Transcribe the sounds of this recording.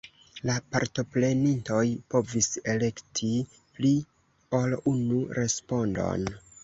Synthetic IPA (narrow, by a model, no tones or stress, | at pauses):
lapa̰ɾto̞ple̞ninto̞jpo̞vise̞le̞ktʰi | pli | o̞lunuɾe̞spo̞ndo̞̰n